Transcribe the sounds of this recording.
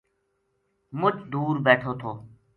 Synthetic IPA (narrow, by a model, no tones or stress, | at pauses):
mʊt͡ʃʰd̪uːɾbeːʈʰoːt̪ʰoː